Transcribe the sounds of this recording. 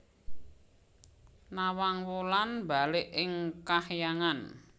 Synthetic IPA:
nawaŋwulanba̤lɪʔɪŋkahjaŋan

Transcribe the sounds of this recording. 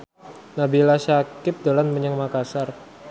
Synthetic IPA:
nabilaʃakɪp̚dalanməɲəŋmakasar

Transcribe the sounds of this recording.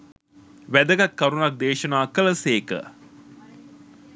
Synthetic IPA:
ʋæd̪əɡɐkːɐɾunɐk̚d̪eːʃɐnaːkələseːkə̰

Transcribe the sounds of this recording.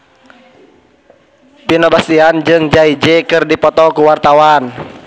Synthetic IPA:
pinɔbasiand͡ʒɨŋd͡ʒaid͡ʒɛkɨrdipɔt̪ɔkuwart̪awan

